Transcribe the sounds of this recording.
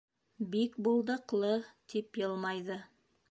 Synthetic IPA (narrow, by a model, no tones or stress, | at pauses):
bikbulˠd̪ɤ̆qlˠɤt̪ʰipjɤlˠmɑjðɤ